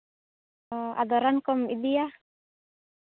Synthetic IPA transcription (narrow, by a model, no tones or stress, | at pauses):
a̰d̪ɔɾankɔmid̪ija